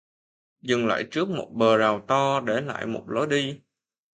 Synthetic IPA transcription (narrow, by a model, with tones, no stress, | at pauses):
zɨ˨˩ŋla̰ː˧˨jt͡ɕɨ˦˥ək̚mo˨˩t̚ɓəː˨˩zaː˨˩wt̪ɔ˧ɗe˧˩la̰ː˧˨jmo̰˨˩t̚lo˨˦jɗi˧